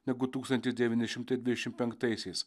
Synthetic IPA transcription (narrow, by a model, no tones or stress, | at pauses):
nʲɛɡʊt̪uːkst̪ɐnt̪ʲɪsd̪ʲɛʋʲiːnʲɪʃʲɪmt̪ɐɪd̪ʲʋʲɪd̪ʲɛʃʲɪmppʲɛŋkt̪ɐɪsʲɛɪs